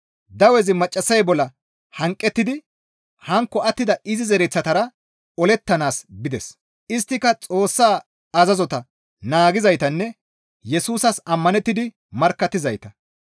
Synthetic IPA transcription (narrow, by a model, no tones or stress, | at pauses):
d̪ɐwɛzɪmɐt͡ʃʼːɐsɐjbɔlːɐ | hɐŋkʼːɛt̪ːɪd̪ɪ | hɐŋkːɔɐt̪ːɪd̪ɐɪzɪzɛɾɛt͡sːɐt̪ɐɾɐ | ɔlɛt̪ːɐnaːsbɪd̪ɛs | ɪst̪ːɪkɐt͡sʼo̞ːsːaː | ɐzɐzɔt̪ɐ | naːɡɪzɐjt̪ɐnːɛ | jɛsuːsɐsɐmːɐnɛt̪ːɪd̪ɪ | mɐɾkːɐt̪ːɪzɐjt̪ɐ